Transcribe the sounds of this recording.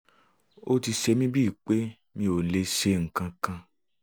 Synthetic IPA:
o˦ti˧ʃe˧mĩ˦bi˦˨k͡pe˦ | mĩ˧o˨le˧ʃe˧ŋ̩˨kã˧kã˧

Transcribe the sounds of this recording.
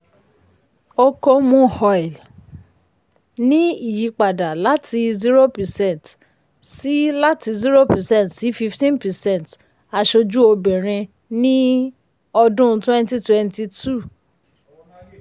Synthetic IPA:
o˧ko˧mũ˧˨hɔ˨ɛ˨l | nĩ˦i˦˨ji˨˦k͡pa˨da˨la˨˦tʰi˧zi˦ɾo˦pɛ˨sɛ̃˦˨nt | si˨˦la˦ti˧zi˦ɾo˦pɛ˨sɛ̃˦˨tsi˨˦fi˧ftĩ˦npɛ˨sɛ̃˦˨n˨t | a˧ʃo˧d͡ʒu˦o˧bɛ̃˨ɾ̃ɛ̃˧ | nĩ˦ | ɔ˧dũ˦˧˦tũ˦ɛ̃˦n˦ti˦twɛ̃˧nti˧tu˦˨

